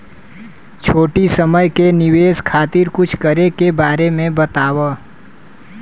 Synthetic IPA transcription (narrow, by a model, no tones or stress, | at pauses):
t͡ʃʰoːʈisəməjkenɪweːskʰaːt̪ɪɾkʊt͡ʃʰkəɾekebaːɾemẽbət̪aːwa